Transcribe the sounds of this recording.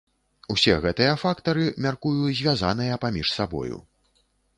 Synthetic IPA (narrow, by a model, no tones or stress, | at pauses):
usʲɛɣɛt̪ɨjɐfakt̪ɐɾɨmʲarkujuzʲvʲazan̪ɨjɐpamʲiʂsabɔ̰jṵ